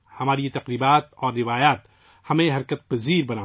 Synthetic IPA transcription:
hɐmaːɾiet̪ɐqɾiːbaːt̪ɔːɾːɪʋaːjaːt̪ | hɐmẽɦɐɾkət̪̚pɐziːɾbɐnaː

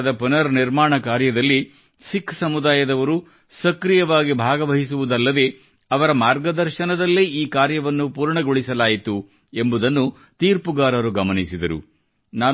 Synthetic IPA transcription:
ɐd̪ɐpunɐɾniɾmaːɳɐkaːɾjɐd̪ɐlːi | sikʰːsɐmud̪aːjɐd̪ɐʋɐɾu | sɐkɾijɐʋaːɡibʱaːɡɐʋɐɦisuʋud̪ɐlːɐd̪e̞ | ɐʋɐɾɐmaːɾɡɐd̪ɐɾʃɐnɐd̪ɐlːiiːkaːɾjɐʋɐnːupuːɾɳɐɡoɭisɐlaːjit̪u | e̞mbud̪ɐnːu | t̪iːɾpuɡaːɾɐɾuɡɐmɐnisid̪ɐɾṵ | naː

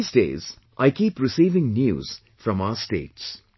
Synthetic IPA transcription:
sdḛːz̥ | ʔaɪkiːpɾɪsiːvɪ̃ŋnjṵːz̥ | fɾʌ̃maʊəstḛːʈs

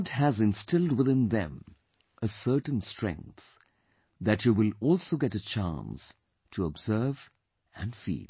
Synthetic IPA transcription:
dæzɨ̃nstɪlˠdwɪðɪ̃nðɛ̰̃m | ʔəsɜ˞tə̃n̩stʰɹ̥ɛ̰̃ŋk̚θ | ðɨt͡ʃjɨwɪlɔlˠsoʊɡɛɾɨt͡ʃʰa̰ns | tʰəɔbz̥ɜ˞v | ɨ̃nfḭːl

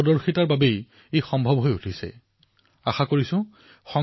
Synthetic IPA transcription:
ɔdɔɹxitaɹbabej | ejxɔmbʱɔbɦojutʰisɛ̰ | axakoɹisʊ̃ | xɔ

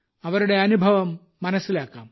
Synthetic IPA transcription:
ɐʋɐɾuɽeɐnubʱɐʋɐmː | ɐnɐsːilaːka̰ːm

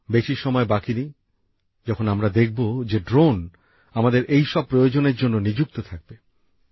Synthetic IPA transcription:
beʃiʃɔmɔebakinij | d͡ʑɔkʰonamɾad̪ek̚ʰbod͡ʑeɖɾon | amad̪eɾʔejʃɔb̚pːɾojod͡ʑoneɾd͡ʑonːonid͡ʑuk̚t̪ot̪ʰak̚be

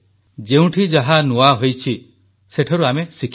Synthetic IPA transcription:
d͡ʒeũʈʰid͡ʒaɦanuaɦojt͡ʃʰi | seʈʰɔɾuamesikʰ

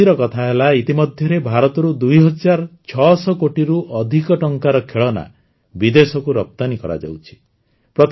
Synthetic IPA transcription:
iɾɔkɔt̪ʰaɦelait̪imɔd̪ʱjɔɾebʱaɾɔt̪ɔɾud̪ujɦɔd͡ʒaɾt͡ʃʰɔsɔkoʈiɾuʔɔd̪ʱikɔʈɔŋkaɾɔkʰeɭɔna̰ | bid̪esɔkuɾɔp̚t̪anikɔɾa̰d͡ʒa̰wt͡ʃʰi̥ | pɾɔt̪

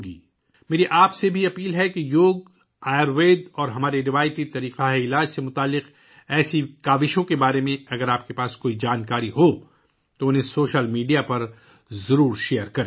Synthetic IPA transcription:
ɡḭː | meːɾiʔaːpsebʱiɐpiːlɦɛkejoːɡ̚ | aːjəɾʋeːd̪ɔːɾɦɐmaːɾeɾɪʋaːjət̪it̪ɐɾiːqaɦeɪlaːd͡ʒsemʊt̪aːlːɪq | ɛːsikaːʋɪʃõkebaːɾemẽɐɡəɾaːp̚kepaːskoːid͡ʒaːnkaːɾiɦo | t̪oʊnɦẽsoːʃəlmiːɖijapɐɾ | zɐɾuːɾʃeːjəɾkɐɾe

